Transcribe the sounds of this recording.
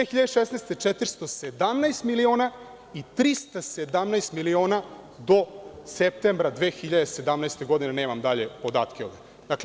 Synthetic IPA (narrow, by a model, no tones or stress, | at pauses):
d̪exiʎad̪eʃesnajst̪et͡ʂet̪ɾst̪o̞sed̪amnaest̪milio̞ːna | it̪ɾist̪ased̪amnaest̪milio̞ːna | d̪o̞sep̚t̪embɾad̪ʋeːxiʎad̪ese̞d̪amnɛest̪eɡo̞d̪ineneːmamd̪aʎe̞po̞d̪a̰ːt̪kʲeo̞ʋd̪e | d̪akle